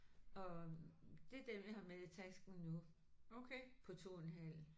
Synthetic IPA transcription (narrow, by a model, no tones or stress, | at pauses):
ɒ̽ | d̥e̝d̥eɐjihɑ̈meðˠit͡sʰæsɡ̥n̩nu | okʰepʰɒ̽t͡sʰo̝̰ːenɦæl̰